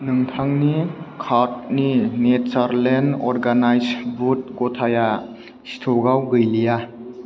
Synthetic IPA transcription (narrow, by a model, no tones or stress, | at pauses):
nɯŋtʰaŋnikʰaɾt̚ninetsaɾlendɔɾɡanajsbut̚ɡɔtʰaja | si̥tʰoɡawɡɯjlija